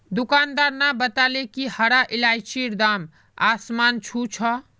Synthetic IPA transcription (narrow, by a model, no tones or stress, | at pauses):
d̪ukand̪aɾnabət̪alekihəɾaʔilajt͡ʃiɾd̪am | asmant͡ʃʰut͡ʃʰɔ